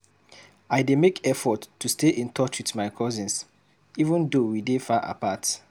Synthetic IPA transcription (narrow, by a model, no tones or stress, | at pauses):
aɪdemekɛfɔtːusteʔĩntʰɔt͡ʃwitmaɪkʰɔzĩns | ivə̃ndowidefaʔa̰pat